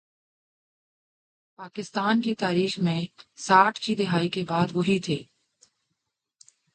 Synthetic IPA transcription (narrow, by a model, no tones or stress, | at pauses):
paːkɪst̪aːnkit̪aːɾiːxmẽsaːʈʰkid̪ɪɦaːikebaːd̪ʋoɦit̪ʰeː